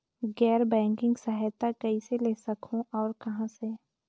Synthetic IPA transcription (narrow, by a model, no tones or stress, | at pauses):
ɡɛːɾbɛ̃ːŋkɪ̃ŋɡsaɦɛt̪akəiseleːsɐkʰõʔɔːɾkɐɦãse